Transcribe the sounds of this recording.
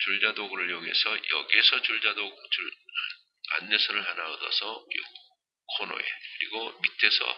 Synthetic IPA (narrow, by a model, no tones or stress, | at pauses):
t͡ɕuɭd͡ʑadoɡɯɾɯɭjoŋe̞̰sʰʌjʌ̰ɡiesʰʌt͡ɕuɭd͡ʑadoɡt͡ɕɯ | a̰nːesʰʌɾɯɭɦanaʌdʌ̰sʰʌ̰ | kʰono̰je̞̰kɯɾḭɡomitʰe̞sʰʌ̰